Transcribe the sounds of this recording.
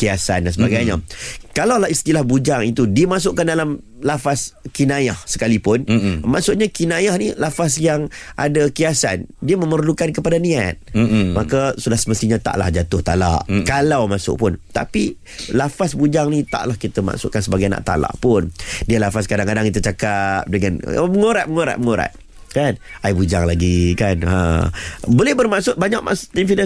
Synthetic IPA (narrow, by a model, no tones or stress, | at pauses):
kiasandansəbaɡajɲakalawlahist̪ilahbud͡ʒaŋit̪udiəmas̬ʊʔkandalam | lafaskinajahsə̥kalipʊnma̰ʔsʊʔɲakinajahnilafasjaŋʔa̰dakiasa̰ndiəməmərlukankəpadanĩat̪̚makasudahsəməst̪iɲat̪a̰ʔla̰hd͡ʒat̪ʊht̪a̰la̰ʔkalawmasʊ̰ʔpʊnt̪a̰pi | lafasbud͡ʒaŋnit̪a̰ʔlahkit̪əma̰ʔsʊʔkansəbaɡajna̰ʔt̪a̰la̰ʔpʊndiəlafaskadaŋkadaŋkit̪ut͡ʃakap̚dəŋanməŋoɾat̪̚məŋoɾa̰ʔ̪̚məŋoɾa̰t̪̚ | kanajbud͡ʒaŋlaɡikanə̰ | bolɛhbərmaʔsʊʔ̚baɲak̚ma̰sʔt̪infidə